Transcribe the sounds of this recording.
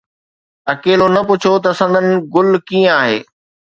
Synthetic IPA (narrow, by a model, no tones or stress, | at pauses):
ɐkeːlonɐpʊt͡ɕʰot̪ɐsɐ̃nd̪ənɪ̆ɡʊl̤kiːə̃aːɦḛː